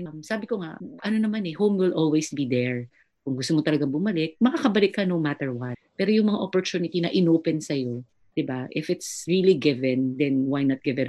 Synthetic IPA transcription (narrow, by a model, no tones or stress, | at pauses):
msaːbɪkoŋaʔɐnonɐmanɛhowmwɪlʔolwejsbid̪ɛɹ | kʊŋɡʊst̪omot̪ɐlɐɡaŋbʊmɐlɪk̚mɐkakɐbɐlɪkːɐnomat̪ɛɹwɐt̪̚pɛːɾojʊŋmɐŋaʔopoɹt͡ʃ̪unɪt̪inɐʔɪnoːpɛnsɐjo̞ | d̪̥ɪbaʔɪfɪt̪sɹiliɡɪvɛ̃nd̪ɛnwajnɐt̪̚ɡɪvɛn